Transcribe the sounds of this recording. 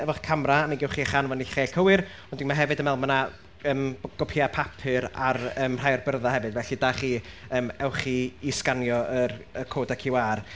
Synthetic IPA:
ɛvɔχkʰamraniɡɛwχiːaχanvɔniχeːɬkʰəwɨɾ | ɔndɪŋmaɦɛvɨdəmɛlˠmana | əːmɡ̥ɔpʰiapʰapʰɨɾarəːmr̥ajɔrbərðahɛvɨdvɛɬidaːχiːəːmɛwχiiskanjɔərəkʰoːdakʰɪwaːr

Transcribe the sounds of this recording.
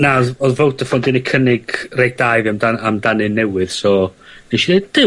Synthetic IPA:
naɔðɔðvowtʰəfɔndɪnekʰənɪɡrej̚d̥ajviamdaamdanɨnːɛwɨð̥sɔneʃided̚d̥ɪ

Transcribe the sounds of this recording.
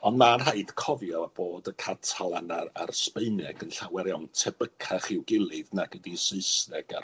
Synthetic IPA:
ɔndmanɦaɨd̥kʰɔvjɔb̥oːdəkʰatʰalˠanaa̰rspeɨnɛɡənɬawɛɾjawntʰɛbəkʰaχɪwɡɪlˠɨðnaɡədisɨɨsnɛɡ̥ar

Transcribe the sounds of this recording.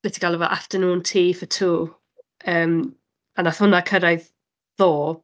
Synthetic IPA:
lɪtʰi̥ɡalˠɛvɔʔaftənuːntʰiːfətʰuː | əːm | anaθhʊnakʰəɾajð | ðoː

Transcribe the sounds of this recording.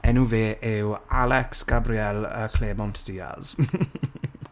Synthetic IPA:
ɛnuveːʔɪwalɛksɡ̥abriɛlə̰kʰleːmɔntʰd̥iːa̰z̥

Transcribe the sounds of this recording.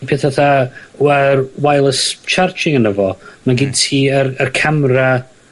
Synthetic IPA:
pʰeːθaθaərwajlˠəst͡ʃʰart͡ʃʰɪŋənəvɔmaɡɪdtʰiːərərkʰamra

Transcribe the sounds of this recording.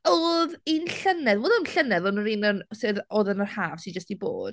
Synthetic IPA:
oːðinɬənɛðwoːðənɬənɛðɔnəɾiːnənsɪðoːðənərhaːv̥sɪd͡ʒəstibo̰ːd̥

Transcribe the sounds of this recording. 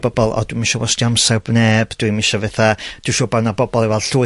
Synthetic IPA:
b̥ɔbɔlˠɔ̰d̥wimiʃɔwɔsdiamsɛrbneːbd̥wimiʃɔvɛθad̥uʃɔːbawnabɔbɔlˠivɛlˠɬuː

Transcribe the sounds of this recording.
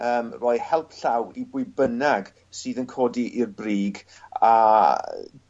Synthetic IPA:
əːmrɔːɨhɛlˠpʰɬawibʊɨbənaɡ | sɨːðənkʰoːdiʔirbriːɡ | a

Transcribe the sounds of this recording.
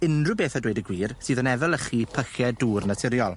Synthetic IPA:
ɪndrʊbeːθadweːjdəɡwiːrsɨːðənɛvɛlˠəχiːpʰəxjɛduːrnatʰɪɾjɔlˠ

